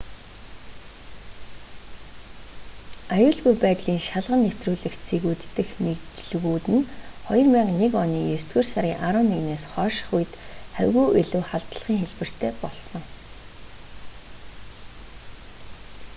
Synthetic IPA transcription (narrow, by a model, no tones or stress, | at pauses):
ajʊːɮɣujpæːt̪ɮiːŋʃaɮʁə̆nːew̥t̪ruːɮɘ̆xt͡sʰeɣuːt̪ːɘ̆xnekt͡ɕɮɣuːt̪ɘ̆nχɔjɞ̆rmaːqnekɔniːjɵst̪ɡuːrsaɾʲiːŋʔaɾʊːnːeɣneːsχɔːʃ̆χujt̪æ̰wʲɣuːʔiɮɘ̆wχaɮt̪ə̆ɮʁ̥iːŋxeɮpɘ̆r̥t̪ʰeːpɔɮsɞ̆ŋ